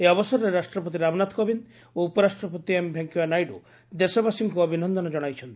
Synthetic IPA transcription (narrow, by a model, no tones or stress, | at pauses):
eɔbɔsɔɾɔɾeɾasʈɾɔpɔt̪̬iɾabnat̪kɔbin | oupɔɾasʈɾɔpɔt̪iembʱjaŋkjubanajɖṵ | d̪esɔbasiŋkuɔbʱinɔnd̪ɔnɔd͡ʒɔɽ̃ajt͡ʃʰɔnt̪i